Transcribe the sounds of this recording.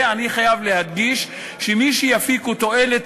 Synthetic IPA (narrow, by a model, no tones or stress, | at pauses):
aniχajavle̞had̪ɡiʃ | ʃemiʃijafikut̪o̞elet̪